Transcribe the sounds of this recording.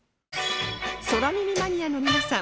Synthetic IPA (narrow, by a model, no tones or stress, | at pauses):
so̞ɾamʲimʲimaɲ̟iano̞mʲinasã